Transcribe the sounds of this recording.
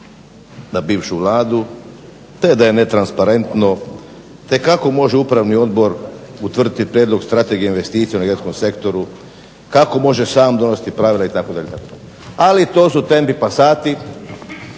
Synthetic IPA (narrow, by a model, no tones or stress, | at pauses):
nabiːʋʃuʋlˠaːd̪u | t̪ed̪aje̞ne̞t̪ɾanspaɾe̞nt̪no̞ | t̪e̞kako̞mo̞ʒeupɾaʋnio̞d̪bo̞ɾut̪ʋr̩d̪it̪ipɾjed̪lˠo̞ɡst̪ɾat̪e̞ɡijeinʋe̞st̪iːt̪sienaɡjet̪sko̞mse̞kt̪o̞ɾu | kako̞mo̞ʒesaːmd̪o̞nosi̥t̪ipɾaʋilait̪akod̪aʎet̪a̰kod̪a̰ʎ | alit̪o̞ːsut̪e̞mpipasaːt̪i